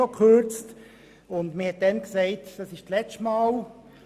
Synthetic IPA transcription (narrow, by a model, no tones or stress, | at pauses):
ɔkʰχøt͡st | ʊndməhɛt̚d̥ɛnksɛɪtd̥ɑsɪʃt͡slɛt͡ʃtmɑːl